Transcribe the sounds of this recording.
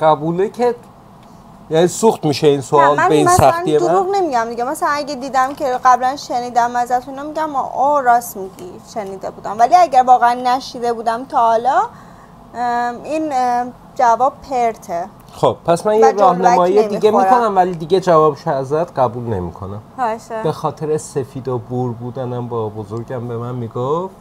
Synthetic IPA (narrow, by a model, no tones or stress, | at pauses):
ɢæbuːlecʰe | jæniːsuxt̪miːʃeinsoɒːlmbeinmsæxnijed̪oɾuːɣne̞miɟæmd̪iɡemæsælænæɡed̪iːd̪æmcʰe̞ɢæblænʃe̞niːd̪æmːæzæt̪ʰuinomiɟæmɔ̰ʔoɾɒːsmiɟiʃe̞niːd̪e̞buːd̪æmvæliæɟæɾvɒːɣeænːæʃiːd̪e̞buːd̪æmt̪ʰɒːlɒ | in | d͡ʒævɒːb̚pʰeɾt̪ʰe | xob̥̚pʰːæsmænjeɾæhnæmɒːjijed̪iɡemikonæmvæliːd̪iɟed͡ʒævɒːbʃoæzæt̪ɢæbuːlne̞mḭkʰo̞næmbe̞xɒːt̪ʰeɾese̞fiːd̪obuɾbuːd̪ænæmbɒːbozoɾɟæmbe̞mænmiɡoft̪